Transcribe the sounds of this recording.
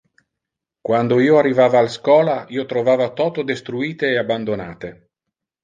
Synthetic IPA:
kwand̪oiːoarːivaːvaːlskɔːlaiːot̪ɾovaːvat̪ɔt̪od̪est̪ɾuiːt̪eːaband̪onaːt̪e

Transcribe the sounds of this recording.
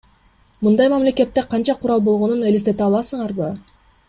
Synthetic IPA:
mɯnd̪ɑjmamle̞ke̞t̪ːe̞qʰɑnt͡ʃɑqʰuɾɑlˠbo̞lˠʁo̞nunelist̪e̞t̪eɑlˠɑsɯɴɑɾbɯ

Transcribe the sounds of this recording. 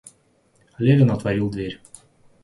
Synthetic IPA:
lʲevʲɪnɐt̪vɐɾʲilˠd̪vʲeɾʲ

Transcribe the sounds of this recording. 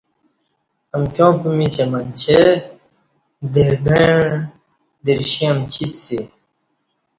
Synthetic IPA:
ɐmkʲõːpumit͡ɕemɐnt͡ɕʰe | d̪eɾɡe | d̪iɾɕĩɐmt͡ɕʰisi

